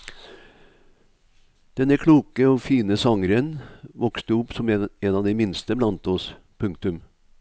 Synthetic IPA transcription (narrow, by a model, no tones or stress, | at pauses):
d̪̥ɛnəkʰɽuːkəoːfiːnəsɑŋɾənʋɔkst̪əʊpsɔmɛnɑːʋd̪ɛɪmɪnst̪əblɑnt̪ɔs | pʰʉŋk̚t̪ʉm